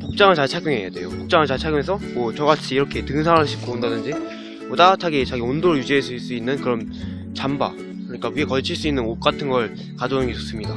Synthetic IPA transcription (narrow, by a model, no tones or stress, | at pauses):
pok̚t͡ɕ͈aŋɯɭt͡ɕaɭt͡ɕʰaɡjuŋe̞jadwe̞̰jopok̚t͡ɕ͈aŋɯɭt͡ɕaɭt͡ɕʰaɡjoŋesʰʌmwʌt͡ɕʌɣat͡ɕʰiːɾʌkʰe̞tɯŋsʰaŋɯɭɕʰi̥p̚k͈obondadɯnd͡ʑi | motatʰaɡit͡ɕaɡiondoɾɯɭjud͡ʑiasʰiɭs͈uinːɯnkɯɾʌm | t͡ɕamba̰ | kkɯɾʌɲik͈awiekʌɭt͡ɕʰiɭs͈uinːɯnok͈atʰɯnɡʌɭ | kad͡ʑʌnɯnɡet͡ɕos͈ɯmɲida